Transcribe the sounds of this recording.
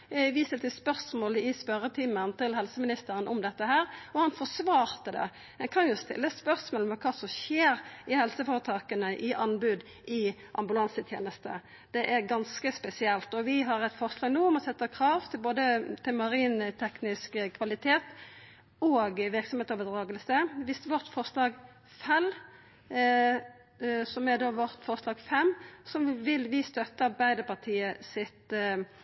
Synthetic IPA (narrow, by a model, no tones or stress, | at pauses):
ʋɪst̪əlt̪ɪspœʁsmoːlɪspœɾət̪ʰɪmːənt̪ɪlhɛlsəmɪnɪst̪əɾənʔɔmd̪ɛt̪ːəhæːɾɔhɑnfɔsʋɑːɾt̪əd̪ɛ̰ | ɛnkʰɑnjʊst̪ɪ̰lːəspœʁsmoːləmɛkʰɑːsɔmʃeːɾɪhɛlsəfoːɾət̪ʰɑːkənəʔɪʔɑnbʉd̪ | ʔɪ | ʔɑ̰mbʉlɑnsət̪ʰjḛːnəst̪ə | d̪̥ɛʔæʁɡɑnskəspɛsɪɛlt̪ɔʋɪɦɑɾɛt̪fɔʁslɑːɡnuːɔmɔsɛt̪ːəkʰʁɑːʋt̪ʰɪlboːd̪ət̪ʰɪlmɑɾiːnt̪ʰɛknɪskkʰʋɑlɪt̪ʰeːt̪ | oːɡʋɪɾksɔmheːt̪ɔbəd̪ʁɑːɡəlsəʋɪst̪ʋɔʁt̪fɔɾslɑːɡ | fɛl | sɔmæɾd̪oːʋɔʁt̪fɔɾslɑːɡfɛmːsɔʋɪlʋɪst̪œt̪ːɑbæɪd̪əpʰɑʁt̪ʰiːəsɪt̪